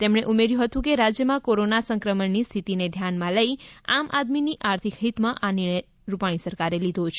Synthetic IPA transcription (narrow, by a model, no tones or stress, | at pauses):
t̪emɳ̃eʔumeɾjũɦət̪ũkeɾad͡ʒjəmãkoɾonasəŋkɾəməɳnist̪ʰit̪ined̪ʱjanmãləia̰mʔad̪miniʔaɾt̪ʰikɦit̪mãʔanɪɾɳəj | ɾupaɽ̃isəɾkaɾelid̪ʱot͡ʃʰ